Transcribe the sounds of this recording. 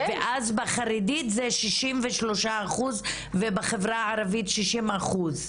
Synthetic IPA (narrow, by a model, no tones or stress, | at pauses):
veʔazbaχaɾiditzeʃiʃimveʃlo̞ʃaːχuz | vebaχevʁaaɾavitʃiʃimaχuz